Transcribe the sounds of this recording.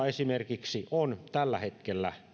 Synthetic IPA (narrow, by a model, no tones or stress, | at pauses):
esimerkiksiont̪ælːæhet̪̚kelːæ̰